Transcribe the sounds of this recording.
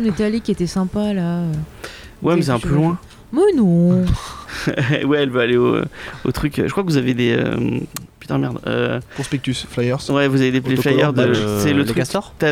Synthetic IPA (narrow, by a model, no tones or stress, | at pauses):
net̪alikʲiet̪ɛsɛ̃palaø | wɛmɛs̬ɛɛ̃pølwɛ̃ | mɛnɔ̃ | wɛɛlvøaleo̰o̰t̪χykøʒəkχwakəvuzaved̪eø̰py̥t̪ɛ̃mɛʁd̪ø̰kɔ̃spek̚t̪ysflajœʁwɛvuzaved̪eeflajœʁd̪əsɛlət̪χksɔʁt̪a